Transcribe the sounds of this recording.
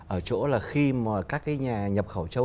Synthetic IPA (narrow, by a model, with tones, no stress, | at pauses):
ʔəː˧˩t͡ɕo̰˧˥laː˨˩xi˧maː˨˩kaː˦˥k̚ːaː˨˦jɲaː˨˩ɲə˨˩p̚xə˧˩wt͡ɕə˧w